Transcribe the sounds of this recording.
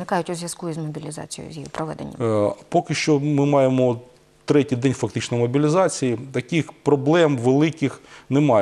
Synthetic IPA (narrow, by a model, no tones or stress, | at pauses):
nɪkɑjʊtʲʊzʲʋʲjɐskuizmɔbʲilʲizɑ̰t͡sʲijɔ̰ʊ̰zʲjijḭpɾɔʋɛ̰d̪ḛnʲːɐ̰pokɪʃt͡ʃɔmɪmɑjemɔ | t̪ɾɛtʲijd̪ɛnʲfɐk̚t̪ɪt͡ʃnɔmɔbʲilʲizɑt͡sʲijit̪ɐkixpɾɔblˠɛmʋelˠɪkɪxnemɑj